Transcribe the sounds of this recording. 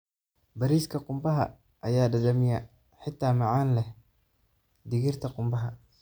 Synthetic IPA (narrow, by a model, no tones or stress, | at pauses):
bɐɾiːskʰɐqʊmbɐɦɐ̰ | ʔɐjaːɖɐðɐmɪjɐ | ħɪt̪ʰːaːmɑʕaːnlɛ | d̪ɪɣɪrt̪ʰɐqʊmbɐɦɐ